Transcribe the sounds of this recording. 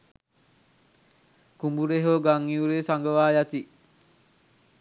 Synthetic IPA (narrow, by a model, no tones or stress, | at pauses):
kumbuɾeɦoːɡaŋːiuɾeːsaŋɡəʋaːjat̪i